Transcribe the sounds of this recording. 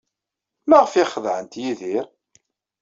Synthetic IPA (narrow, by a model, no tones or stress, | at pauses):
laʁfɪχəðʕənt̪jiðiɾ